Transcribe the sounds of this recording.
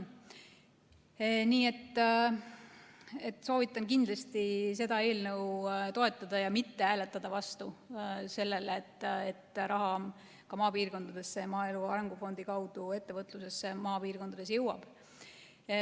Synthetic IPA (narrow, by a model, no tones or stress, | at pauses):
niːe̞t̪ːˑ | e̞t̪ːˑso̞ːvit̪ːˑɑnkind̪̥lɑst̪ise̞d̪̥ɑe̞ːlnə̞wt̪o̞e̞t̪ˑːɑd̪̥ɑjɑmit̪ːe̞æːle̞t̪ːˑɑd̪̥ɑvɑst̪use̞lːe̞leːt̪ːˑet̪ːˑɾʔɑɦɑ | kɑmɑːpiːrko̞nd̪̥ɑd̪̥e̞sːe̞mɑːe̞luɑɾe̞ŋɡ̥ufo̞nd̪̥ikɑwd̪̥ue̞t̪ːe̞vɤt̪ːˑluse̞sːemɑːpiːrko̞nd̪ɑd̪e̞s̬jɤ̞wɑb̥